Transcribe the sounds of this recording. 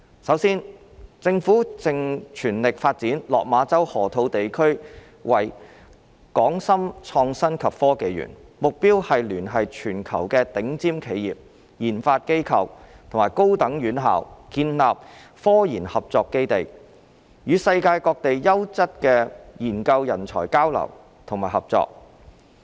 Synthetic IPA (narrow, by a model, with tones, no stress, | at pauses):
sɐ˨˥wsiː˥n | t͡sɪ˧ŋfuː˨˥t͡sɪ˧ŋt͡ʃʰyː˨˩nlɪ˨k̚faː˧t̚t͡siː˨˥nlɔː˨k̚maː˨˧t͡sɐ˥whɔː˨˩t̪ʰo˨˥wt̪e˨jkʰɵ˥ɥ | wɐ˨˩j | kɔː˨˥ŋsɐ˥mt͡ʃʰɔː˧ŋsɐ˥nkʰɐ˨pfɔː˥ke˨˧jjy̰˨˩nmʊ˨k̚piː˥whɐ˨jlyː˨˩nɦɐ˨jt͡ʃʰyː˨˩nkʰɐ˨˩wkɛː˧t̪ɪ˨˥ŋt͡siː˥mkʰe˨˧jjiː˨p̚ | jiː˨˩nfaː˧t̚ke˥jkʰɐ̰˨wt̪ʰo˨˩maː˨˩jko˥wt̪ɐ˨˥ŋjyː˨˥nɦaː˨wkiː˧nlaː˨p̚ | fɔː˥jiː˨˩nhɐ˨p̚t͡sɔː˧kːe˥jt̪e˨j | jyː˨˧sɐ˧jkaː˧jkɔː˧k̚t̪e˨jːɐ˥wt͡sɐ˥t̚kɛː˧jiː˨˩nkɐ˧wjɐ˨˩nt͡sʰɔ̰ː˨˩jkaː˥wlɐ̰˨˩w | t̪ʰʊ˨˩ŋmaː˨jhɐ˨p̚t͡sɔ̰ː˧k̚